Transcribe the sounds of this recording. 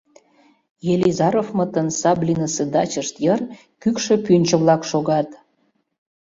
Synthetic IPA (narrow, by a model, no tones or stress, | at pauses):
jelʲizɑɾofmət̪ənsɑblʲinəsed̪ɑt͡ɕəʃt̪jər | kykʃĕpynʲt͡ɕə̆βlɑkʃoɣɑt̪